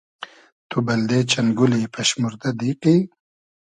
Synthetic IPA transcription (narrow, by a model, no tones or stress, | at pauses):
t̪ubɐld̪eːt͡ʃɐnɡulipʰɐʃmuɾd̪ad̪iqi